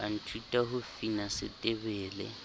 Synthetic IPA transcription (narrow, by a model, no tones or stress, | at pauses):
an̩tʰutʼaɦʊfinasɪtʼɪβɛːlɛ̰